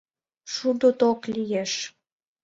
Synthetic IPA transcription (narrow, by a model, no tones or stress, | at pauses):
ʃud̪ot̪oklʲijeʃ